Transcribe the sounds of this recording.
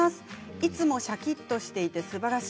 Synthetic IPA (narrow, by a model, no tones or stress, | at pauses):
asɨ̥it͡sɨmo̞ɕakʲit̪ːo̞ɕi̥t̪e̞it̪e̞sɨbaɾaɕ